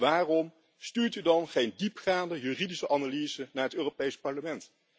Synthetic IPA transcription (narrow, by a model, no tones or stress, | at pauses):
ʋaːrɔm | styːɹtydɑnχejndipχaːndəjyːridisəʔɑnaliz̥ənaːɹətøːropejspɑɹləmɛnt